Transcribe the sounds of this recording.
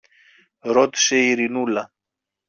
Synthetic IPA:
ɾot̪i̥seiɾinulɐ

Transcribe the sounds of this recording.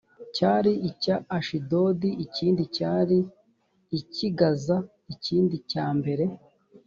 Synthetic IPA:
caːɾiicaːʃido̞diiciːndicaːɾiː | ciɡaza | iciːndicaːmbe̞ɾe̞

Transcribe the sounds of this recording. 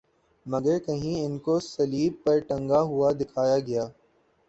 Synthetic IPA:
mɐɡəɾkɐɦĩɪnkosɐliːb̚pɐɾʈɐ̃ŋɡaɦʊad̪ɪkʰaːjaɡɐjaː

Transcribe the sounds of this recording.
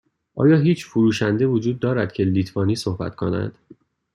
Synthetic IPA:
ʔɒ̰ːjɒːɦiːt͡ʃʰfuɾuːʃænd̪evod͡ʒuːd̪̚ːɒːɾæd̪̚cʰe̞liːt̪ʰvɒːniːsohbæ̰t̪kʰonæ̰d̪̥

